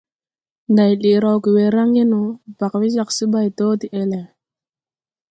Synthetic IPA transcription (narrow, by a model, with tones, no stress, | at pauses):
nda˨jli˨ɾa˨wki˨we˨ɾa˦ŋje˦nu˨b̥a˨kwi˦za˨ksi˦ba˦jto˦ti˨ʔe˦le˨